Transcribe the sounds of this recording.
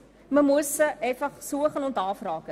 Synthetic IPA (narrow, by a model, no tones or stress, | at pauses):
məmusəʔɛjfɐχsuəχɐnɔntɑːfrɑːkə